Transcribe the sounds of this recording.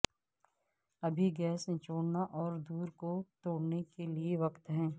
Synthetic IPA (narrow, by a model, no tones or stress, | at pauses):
ɐbʱiɡɛːsẽt͡ʃoːɽnaʔɔːɾd̪uːɾkot̪oːɽnekelieʋɐkt̪ɦɛ̃ː